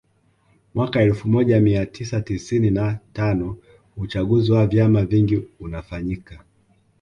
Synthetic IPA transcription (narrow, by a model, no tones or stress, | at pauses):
mwakaɛlfumɔʄamiatʰisatisininatanɔ | ut͡ʃaɠuziwavjamaviŋɡiunafaɲika